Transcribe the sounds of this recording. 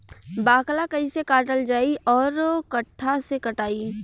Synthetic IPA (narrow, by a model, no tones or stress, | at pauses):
baːklakɐisekaːʈəld͡ʒaːiʔɔːɾkəʈʰːasekəʈaːi